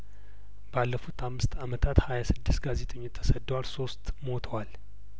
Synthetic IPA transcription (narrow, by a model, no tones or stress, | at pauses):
b̥alːəfut̪ʰamːɨst̪amət̪ʰat̪hajasɨd̪ːɨst̪ɡaze̞t̪ʼəɲːot̪ʰːə̥səd̪ːəwalso̞st̪mo̞t̪ʰəwal